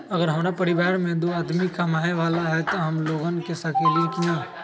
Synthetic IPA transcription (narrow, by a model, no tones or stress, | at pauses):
ɐɡəɾɦɐmːɾapɐɾɪʋaːɾmẽd̪oːaːd̪mikamaːneʋaːlaɦɛt̪oɦɐmloːɡənkesɐkeːlikijãː